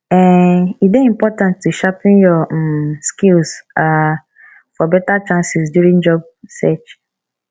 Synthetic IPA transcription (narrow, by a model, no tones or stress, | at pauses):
ɛitdeĩmpɔtãntːuʃapĩnjɔskilsa | fɔbɛtat͡ʃãnsisdjuɹĩnd͡ʒɔb̚ | sɛt͡ʃ